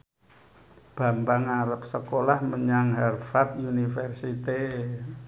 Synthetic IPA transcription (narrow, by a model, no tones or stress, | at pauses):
b̥a̤mbaŋaɾəp̚səkolahməɲaŋɦɛrfat̪unifərsit̪e